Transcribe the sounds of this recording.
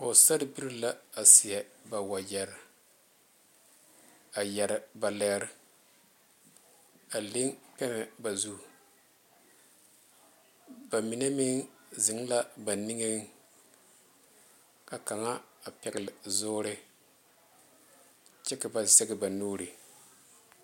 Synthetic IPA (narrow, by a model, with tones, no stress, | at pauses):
ʊ˨sa˦ɾɪ˦bi˦ɾi˦la˦a˨sɪ˨jɛ˨ba˨wa˨jɛ˨ɾ | a˨jɛ˨ɾɪ˨ba˨lɛː˦ɾ | a˨li˦ŋpɛ˦nɛ˨ba˨zu˦˨ | ba˨mi˨ne˦mi˦ŋzɪ˨˦ŋ˦la˦ba˨ni˦ŋe˦ŋ | ka˨ka˨ŋa˦a˨pɛ˨ɡɪ˨lzʊː˦ɾɪ˦ | t͡ʃɪ˦kɪ˨ba˨zɛ˦ɡɪ˨ba˨nuː˦ɾi˨